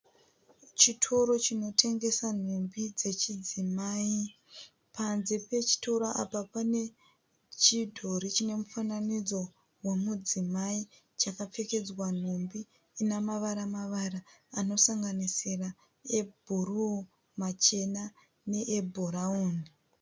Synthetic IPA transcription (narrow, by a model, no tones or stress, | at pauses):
t͡ʃitʰo̞ɾo̞t͡ʃino̞tʰe̞ŋɡe̞san̤ombid͡ze̞t͡ʃid͡zimai | pʰanzepe̞t͡ʃi̥to̞ɾaʔapapane̞ | t͡ʃidʱo̞ɾit͡ʃine̞mufananid͡zo̞ | wemud͡zimai | t͡ʃakap͡fe̞ke̞d͡zwan̤ombiː | namaʋaɾamaʋaɾaːno̞saŋɡanisira | e̞bʱuru | mat͡ʃe̞na | ne̞ʔebʱoɾauːn